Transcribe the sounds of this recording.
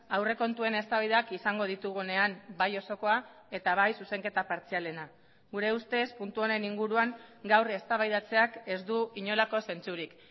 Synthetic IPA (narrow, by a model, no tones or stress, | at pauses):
awre̞ko̞nt̪ue̞ne̞st̪aβaijðakisaŋɡo̞ð̞it̪uɣ̞une̞ambajo̞so̞ko̞a | e̞t̪aβ̞ajsuse̞ŋke̞t̪apaɾt͡siale̞na | ɡuɾe̞ust̪e̞spunt̪uo̞ne̞niŋɡuɾuaŋɡawre̞st̪aβajð̞at͡se̞ake̞zd̪uiɲo̞lako̞se̞nt͡suɾik